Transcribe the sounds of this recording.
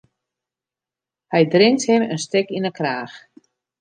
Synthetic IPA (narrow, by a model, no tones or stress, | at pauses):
hɛjdrɪŋthɪmənstɪkinəkraːx